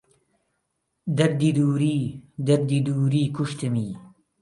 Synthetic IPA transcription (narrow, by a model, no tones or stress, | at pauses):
d̪ɐɾd̪id̪uːɾiːd̪ɐɾd̪id̪uːɾiːkuʃt̪ɨmiː